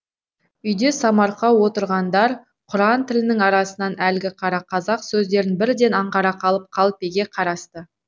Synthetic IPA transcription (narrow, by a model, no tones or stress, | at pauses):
ʏjd̪e̞sɑmɑɾqɑwo̞t̪əɾʁɑnd̪ɑɾ | qʰʊɾɑnt̪ʰɪlɪnɪŋɑɾɑsənɑnʔælɡʲɪqʰɑɾɑqʰɑzɑqsɵzd̪e̞ɾɪnbɪɾd̪e̞nɑɴʁɑɾɑqʰɑlˠəp̚qʰɑlˠəpe̞ɡʲe̞qʰɑɾɑst̪ə